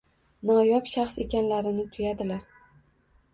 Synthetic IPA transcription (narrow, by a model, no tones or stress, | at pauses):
nɒjɒpʃaχse̞kʲanlaɾɪnɪt̪ʰʊjad̪ɪlaɾ